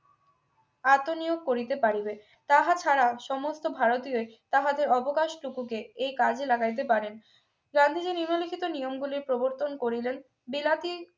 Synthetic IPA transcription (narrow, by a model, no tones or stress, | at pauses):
at̪onijoɡ̚koɾit̪epaɾibe | t̪aɦat͡ɕʰaɾaʃɔmost̪obʱaɾot̪ioet̪aɦad̪eɾɔbokaʃʈukukeejkad͡ʑʱelaɡajt̪̬epaɾen | ɡand̪ʱid͡ʑeniɾmolikʰit̪onijomɡuliɾpɾoboɾt̪onkoɾilen | bilat̪i